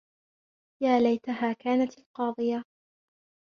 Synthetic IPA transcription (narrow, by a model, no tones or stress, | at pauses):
jaːlajt̪aɦaːkaːnat̪alqɑːd̪ˤɨja